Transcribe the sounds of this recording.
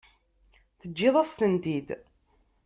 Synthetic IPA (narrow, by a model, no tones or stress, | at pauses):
θəd͡ʒːɪðˤast̪ənd̪id̪